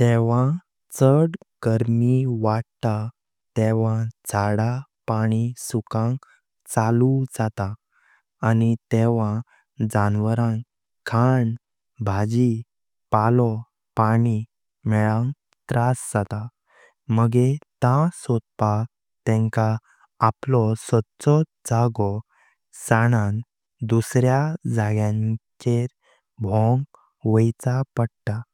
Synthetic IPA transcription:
t̪ɛʋã | t͡səɽ | ɡ̥əɾmiʋaɽt̪a | t̪ɛʋãd͡zaɽapaɽ̃isukãŋ | t͡salud͡zat̪aː | nit̪ɛʋã | d͡zanʋəɾãŋ | tʰaɳ | bʱad͡ʑi | palɔ | paɽ̃i | mɛɭãŋ | t̪ɾasd͡zat̪a | məɡet̪ãsɔd̪̚pa | t̪ɛ̃ŋkaː | plɔsɔt̪t͡sɔd͡zaɡɔ | saɽ̃an | d̪usɾjad͡zaɡjãɲt͡ɕeɾ | bʱɔ̃ŋɡ | ʋəjt͡sapəɽʈ̪a

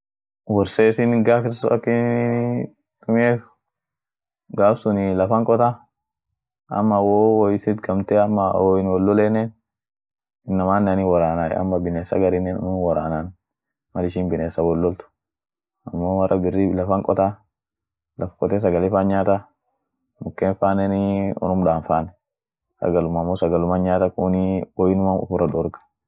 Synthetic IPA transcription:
wɔɾseːsɪnɡaːkɪssɐ̰kːɪ | kʊmɪeːt̪ʊ̥ | ɡaːfsʊnɪlɐfɐŋkʼɔt̪a | ʔɐ̰mːɐwowɔjɪsɪt̪ɡɐmt̪eɐmːɐwɔjɪnwɔlːɔleːnːen | ɪnːɐmaːnːɐniwɔɾaːna̰ɐ̰mːɐbɪneːsɐ̰ɡɐɾɪnːɛnnuːnwɔɾa̰ːnaːn | mɐlɪʃiːnbɪneːsːɐwɔlːɔlt̪ʊ̥ | ɐmːowɐrʔɐbɪrːilɐfɐŋkʼɔt̪aː | lɐfkʼɔt̪eːs̬ɐɡɐleːfaːnɲaːt̪a | mʊkːeːnfaːnɛnɔ̰nʊmdaːnfaːnɛ | sɐ̰ɡɐlʊmɐmːosɐɡɐlʊmanɲaːt̪ɐkuniwɔjɪnʊmanʊ̰fʊɾɐd̪ɔɾɡɐ̥

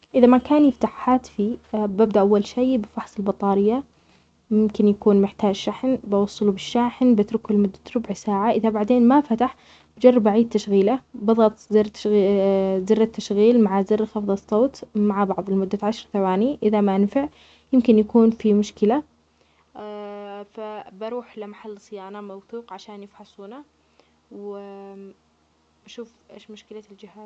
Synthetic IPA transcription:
ʔɪðamakaːnjɪft̪aħːaːt̪fibabd̪aʔawːalʃeːbɪfɑħsˤɪlbɑt̪ˤɑːɾɪjːa | mɪmkɪnjakuːnmɪħt̪aːd͡ʒʃaħnbɑwɑsˤːɑlubɪʃːaːħnbɪt̪ɾʊkʊlmʊd̪ːḁt̪ɾʊbʕsaːʕaʔɪðabaʕd̪eːnmafat̪aħ | bd͡ʒɑrˤːɑbaʕiːd̪̚t̪ːaʃɣiːlabɑðˤɑt̪ˤzɪrt̪ | zɪrːat̪ːaʃɣiːlmaʕazɪrːxɑfðˤɑsˤːoːt̪maʕabɑʕðˤɪlmʊd̪ːaʕaʃɑɾˤθawaːniʔɪðamaʔanfɪʕ | jɪmkɪnjakuːnfimʊʃkɪla | fabɑɾˤuːħlɪmaħalːsˤɨjaːnamawθuːqʕaʃaːnjɪfħɑsˤuːna | wwɪ | b̥aʃuːfʔeːʃmʊʃkɪlald͡ʒɪhaːz

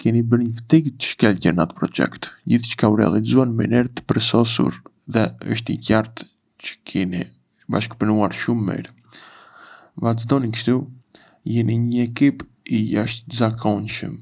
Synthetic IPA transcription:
kɛnibəɾɲəft̪ikt̪ə̥ʃkɛlcɛnat̪əpɾɔt͡ʃɛ̰kt̪d͡ʑiθt͡ʃə̥kauɾɛ̰a̰lˠizuanmḭnɛɾt̪ːə̥pəɾsɔsṵɾ | ðɛə̰ʃ̬t̪ḭcaɾt̪ | t͡ɕə̥kʰɛni | ba̰ʃkpənuaɾʃumːḭɾ | vazd̪ɔnikʃt̪u | jɛniɲəɛkip | ijaʃt̪zakʰɔnʃə̰m

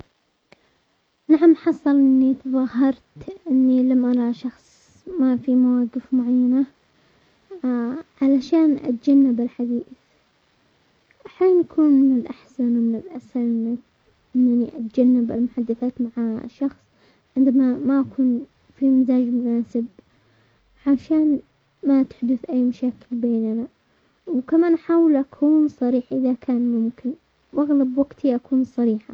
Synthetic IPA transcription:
naʕamħɑsˤːɑlʔɪnːit̪ðˤɑhːɑɾˤt̪ʔɪnːilamʔɑɾˤɑʃɑxsˤ | mafimawaːɡɪfmʊʕajːana | ʕalaʃaːnʔa̰t̪d͡ʒanːɪbɪlħad̪iːθ | ʔaħjaːnʔakʰuːnmɪnɪlʔaħsanwmɪnɪlʔasanɪna | ʔɪnːaniʔat̪d͡ʒanːɪba̰lmʊħad̪ːaθaːt̪maʕa̰ʃːɑxsˤ | ʕɪnd̪amamaʔakʰuːn | fimɪzaːd͡ʒmʊnaːsɪb̚ | ʕaʃaːn | mat̪ɪ̥ħd̪ʊθʔajːmaʃaːkɪlbeːnana | wkamaːnʔaħaːwɪlʔakʰuːnsˤɑɾiːħʔɪðakʰaːnmʊmkɪn | wʔaɣlabwaɡt̪ʰiʔakuːnsˤɑɾiːħa

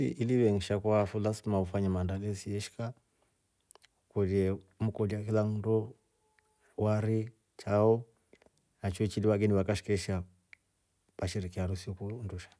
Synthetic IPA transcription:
ḭʔiliβɛŋ̩ʃakwafulasimaufaɲamandalɛsiɛʃi̥ka | ukɔdiɛ | m̩kɔdakilaŋ̩ndɔ | waɾi | t͡ʃaɔ | nat͡ʃɛt͡ʃiliwaɡɛniβakaʃi̥kɛʃa | paʃiɾikiaɾusiɔkunduʃḁ

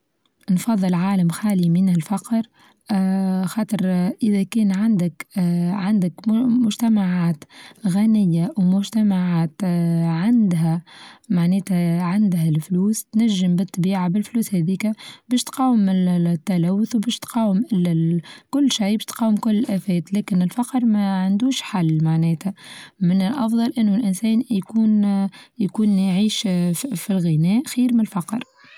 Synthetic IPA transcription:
nfɑðˤːɨlʕaːlamxaːlimɪnɪlfɑqɾ | xɑːt̪ˤəɾʔɪðækɛːnʕand̪ɪkʕand̪ɪkmʊʒt̪amaʕaːt̪ɣanɪjːawmʊʒt̪æmaʕaːt̪ʕand̪ɦæmaʕnɛːt̪ʕand̪ɦælfluːst̪næʒːɪmbɪt̪ˤːbiːʕabɪlfluːshæðiːkæbɛːʃt̪qɑːwɪmɪt̪ːælæwːʊθwbɛːʃt̪qɑːwəmʔɪlkʊlːʃijbɛːʃt̪qɑːwɪmkʊlːɪlʔæːfɛːt̪lɛːkɪnɪlfɑqɾˤmæʕand̪uːʃħalːmaʕnɛːt̪æmɪnɪlʔɑfðˤɑlʔɪnːʊlʔɪnsɛːnjkuːnjkuːnʕiːʃfilɣinɛːʔxiːɾmɪnɪlfɑqɾ

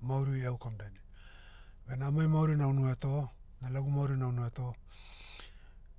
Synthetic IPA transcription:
mawɾijawkamdajni | benaːmajmawɾinawnueto̞ | nalaɡumawɾinawnueto̞

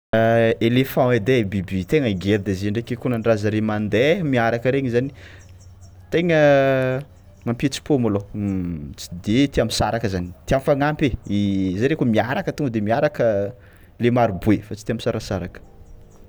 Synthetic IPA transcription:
elefãed̪ebibit̪eŋəiɡeɾd̪ezeɳɖ͡ʐekekunənrazəɾemand̪ɛmiaɾakəɾeɲizani | t̪eŋə | mampit͡si̥pomolo | t͡si̥d̪et̪iamisaɾakəzanit̪iamfaŋampeizaɾekumiaɾakət̪uŋəd̪emiaɾakə | lemaɾibuefat͡sit̪iamisaɾasaɾakə̥

